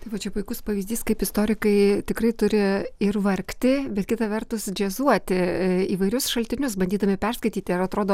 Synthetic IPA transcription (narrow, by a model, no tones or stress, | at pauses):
t̪ɐɪʋɐt͡ʃʲɛpʊɪkʊspɐʋʲiːzʲd̪ʲiːskɐɪpɪst̪oːɾʲɪkɐɪt̪ʲɪkrɐɪt̪ʊɾʲɪɪrʋɐrʲkt̪ʲɪbʲɛt̪̚kʲɪt̪ɐʋʲɛrt̪ʊsd͡ʒʲɛzuɔt̪ʲɪiːʋɐɪɾʲʊsʃɐlʲt̪ʲɪnʲʊsbɐnʲd̪ʲiːd̪ɐmʲɪpʲɛrskɐɪt̪ʲiːt̪ʲɪɐɾɐt̪ɾoːd̪oː